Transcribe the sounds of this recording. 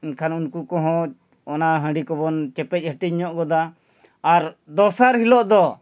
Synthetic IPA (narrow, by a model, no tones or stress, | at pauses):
unkʰanunkukɔɦɔ̃ | ɔnaɦə̃ɖikɔbɔnt͡ʃɛpɛc̚ˀhəʈiɲɔʔɡɔd̪aː | ɾd̪ɔsaɾhilɔʔd̪ɔ